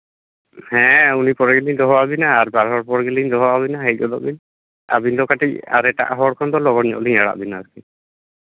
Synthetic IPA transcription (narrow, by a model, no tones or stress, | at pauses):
hɛ̃unipɔɾɛɡeliɲd̪ɔɦɔwabinaːɾbaɾɦɔɽpɔɾɡeliɲd̪ɔɦɔwabinaɦec̚ˀɡɔd̪ɔ̰ʔbin | a̰biɲd̪ɔkaʈic̚a̰ɾɛʈa̰ʔɦɔɽkʰɔnd̪ɔlɔɡɔɾɲɔ̰ʔliɲaɽa̰ʔbinaaki